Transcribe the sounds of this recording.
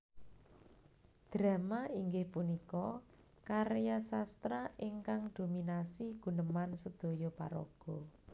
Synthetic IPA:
d̪̥ɾa̤maiŋɡɪhpunikɔ | kaɾjasast̪ɾaʔiŋkaŋd̪̥ominasiɡ̥ṳnəmansəd̪̥o̤jɔpa̰ɾo̰ɡ̥ɔ̤

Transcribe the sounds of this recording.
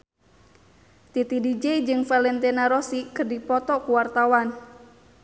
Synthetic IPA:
t̪it̪idid͡ʒɛid͡ʒɨŋfalɛnt̪ɛnaɾɔsikɨrdipɔt̪ɔkuwart̪awan

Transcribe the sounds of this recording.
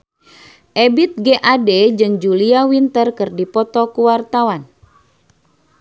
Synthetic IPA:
ʔɛbit̪̚ɡeʔaded͡ʒɨŋd͡ʒuliawint̪ərkɨrdipɔt̪ɔkuwart̪awan

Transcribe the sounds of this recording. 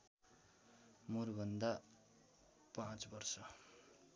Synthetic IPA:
murbʱʌnd̪a | pãt͡sbʌrsʌ

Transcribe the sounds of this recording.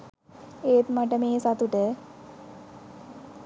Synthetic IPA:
eːt̪maʈəmeːsat̪uʈə

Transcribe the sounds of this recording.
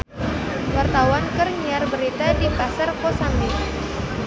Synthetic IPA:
wart̪awankərɲarbəɾit̪adipasarkosami

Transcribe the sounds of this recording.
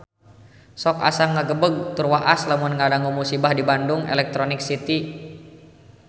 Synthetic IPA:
sɔka̰saŋːaɡəbəɡ̚t̪urwaʔaslamunŋadaŋumusibahdibandʊŋɛ̰lɛk̚t̪ɾonɪk̚sit̪i

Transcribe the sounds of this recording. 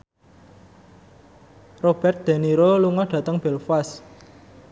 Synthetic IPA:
rob̥ɛrt̪̚d̪̥a̤niɾoluŋɔhɖ̥ä̤t̪əŋb̥ɛlfas

